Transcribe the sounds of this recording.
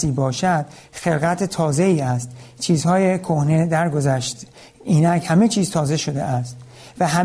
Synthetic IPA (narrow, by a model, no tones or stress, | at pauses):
iːbɒːʃæd̪̥ | xe̞lɣæt̪ʰet̪ʰɒːze̞iːæst̪t͡ʃʰiːzhɒːjekʰohne̞d̪æɾɡo̞zæʃt̪ | iːnækhæme̞t͡ʃʰiːz̥t̪ʰɒːze̞ʃo̞d̪ḛʔæst̪ | væɦæ